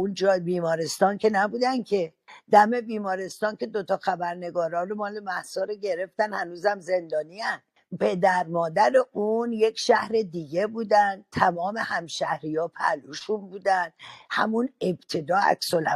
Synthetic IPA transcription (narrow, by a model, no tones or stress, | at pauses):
und͡ʒɒːjbiːmɒːɾest̪ɒːncʰe̞næbuːd̪ænkʰe̞d̪̥æme̞biːmɒːɾe̞st̪ɒːnkʰe̞d̪ot̪ʰɒːxæbæɾne̞ɡɒːɾɒːnɾomɒːle̞mæhsɒːɾoɟe̞ɾe̞ft̪ænhænuːzæmze̞nd̪ɒːniænd̪̥ | pʰe̞d̪æɾmɒːd̪æɾeʔunje̞kʰʃæhɾe̞d̪iːɟe̞buːd̪ænd̪̚t̪ʰæmɒːme̞hæmʃæhɾijɒːpʰæ̰luʃunbuːd̪ænd̪̥hæ̰mune̞bt̪ʰe̞d̪ɒːæ̰ksolæ